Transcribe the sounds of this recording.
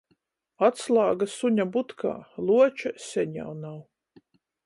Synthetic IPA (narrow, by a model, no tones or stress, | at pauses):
at̪slˠaːɡasuɲabut̪kʰa̰ːlˠuɔt͡ʃasʲɛɲa̰wnaw